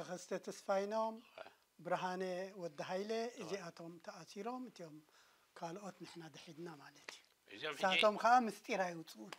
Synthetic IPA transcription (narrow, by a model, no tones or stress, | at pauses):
ɨxɐst̪ʰɐt̪ʰɐsfajnom | bɨɾɦanewɔd̪ːɐɦajleʔɨziat̪ʰo̞mt̪ʰɐʔasiɾo̞mɨt̪ʰijo̞m | kʰalʔo̞t̪nɨħnad̪ɐħid̪namalɐt̪ʰju | ɨsat̪ʰo̞mkɐʔamɨst̪ʼiɾajwut͡sʼuʔun